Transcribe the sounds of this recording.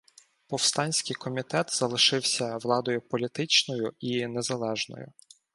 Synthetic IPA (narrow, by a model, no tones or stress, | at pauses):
pɔwst̪ɑnʲsʲkʲɪjkɔmʲit̪ɛt̪zɐlˠɪʃɪwsʲɐʋlˠɑd̪ɔjʊpɔlʲit̪ɪt͡ʃnɔjʊinezɐlˠɛʒnɔ̰jʊ̰